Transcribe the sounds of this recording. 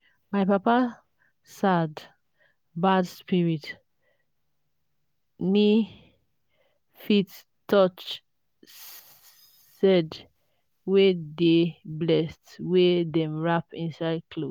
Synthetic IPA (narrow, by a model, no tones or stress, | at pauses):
maɪpapa | sad | badspiɹit | ni | fit | tːɔt͡ʃ | sɛd | wedeblɛstwedɛ̃mɹapĩnsaɪd̚kʰlo